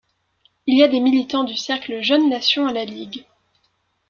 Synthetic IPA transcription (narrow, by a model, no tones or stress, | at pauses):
ilijad̪emilit̪ɑ̃d̪ysɛʁklʒœnːasjɔ̃alaliɡ